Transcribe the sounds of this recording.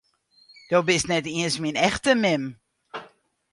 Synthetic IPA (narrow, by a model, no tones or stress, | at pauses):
d̥obɪsnɛtiənsminɛxtəmɪm